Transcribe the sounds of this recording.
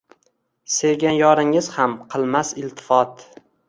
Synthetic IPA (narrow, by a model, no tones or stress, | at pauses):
se̞ɡʲanjɒɾɪŋɪzhamqʰɨlˠmasɪlˠt̪ʰɪ̥fɒt̪